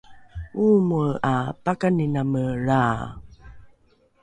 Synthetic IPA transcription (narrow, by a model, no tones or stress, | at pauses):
uməapakaninaməɻa